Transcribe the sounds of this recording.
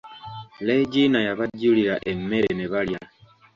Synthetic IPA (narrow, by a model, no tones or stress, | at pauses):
leɟinajaβaɟuliɾaʔemːeɾeneβalja